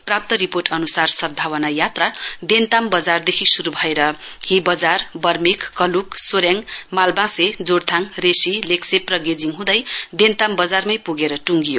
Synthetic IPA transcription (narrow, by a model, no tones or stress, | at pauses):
prap̚t̪ʌɾiporʈʌnusarsʌd̪̚bʱawʌnajat̪rad̪ent̪ambʌd͡zard̪ekʰisuɾubʱʌeɾʌhĩbʌd͡zarbʌrmikːʌluksoɾjaŋmalbãsed͡zoɽt̪ʰaŋresilekseprʌɡed͡ziŋɦũd̪ʌjd̪ent̪ambʌd͡zarmʌjpuɡeɾʌʈuŋɡijo